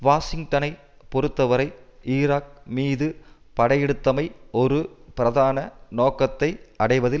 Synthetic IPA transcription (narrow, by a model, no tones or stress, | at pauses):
ʋaːsɪŋɡʈɐnɐɪ | pɔɾɯt̪ːɐʋɐɾɐɪiːɾaːk̚miːðɯ | pɐɽɐjɛɽɯt̪ːɐmɐɪɔɾɯpɪɾɐðaːnɐnoːkɐt̪ːɐɪɐɽɐɪʋɐðɪ